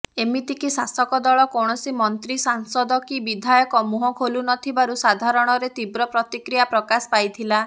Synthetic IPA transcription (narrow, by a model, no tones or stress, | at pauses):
emit̪ikisasɔkɔd̪ɔɭɔkɔɽ̃ɔsimɔnt̪ɾisaŋsɔd̪ɔkibid̪ʱajɔkɔmuɦɔkʰolunɔt̪ʰibaɾusad̪ʱaɾɔɽ̃ɔɾet̪ibɾɔpɾɔt̪ikɾijapɾɔkasɔ̥pajt̪ʰila